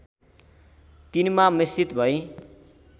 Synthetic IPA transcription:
t̪inmamist͡sit̪bʱʌj̃

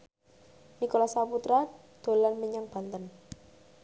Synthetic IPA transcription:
nikolasaput̪ɾa | d̪̥o̤lanməɲaŋb̥ant̪ən

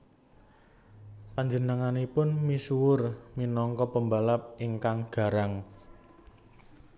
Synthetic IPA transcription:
paɲd͡ʒənəŋanipʊnmisuwʊrminɔŋkɔpəmbalap̚iŋkaŋɡ̥a̤ɾaŋ

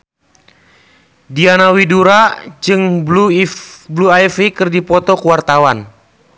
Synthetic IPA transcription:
dianawiduɾad͡ʒɨŋblubluajfikɨrdipɔt̪ɔkuwart̪awan

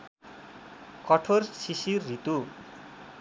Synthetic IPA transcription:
kʌʈʰorsisiːit̪u

